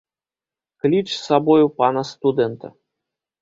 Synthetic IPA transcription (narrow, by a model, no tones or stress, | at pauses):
klʲit͡ʂsabɔjupanɐst̪ud̪ɛnt̪ɐ̰